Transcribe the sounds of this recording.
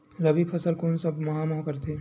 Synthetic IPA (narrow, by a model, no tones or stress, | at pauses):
ɾɐbipʰɐsəlkoːnsɐbmɐɦamɔɦkɐɾt̪ʰeː